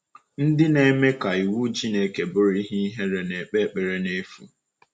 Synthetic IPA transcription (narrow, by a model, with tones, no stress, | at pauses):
n̩˦dɪ˦ne˦˨˦me˦ka˨i˨wu˦d͡ʒi˦ne˨˦ke˨bʊ˦ɾi˦ɦi˦i˦ɦe˦ɾe˨ne˨k͡pe˦k͡pe˨ɾe˦ne˦fṵ˨